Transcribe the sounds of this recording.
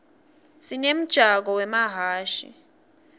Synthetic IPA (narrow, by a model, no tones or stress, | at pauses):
sinem̩d̥ʒ̥ʱak̬ɔwɛmaɦaːʃḭ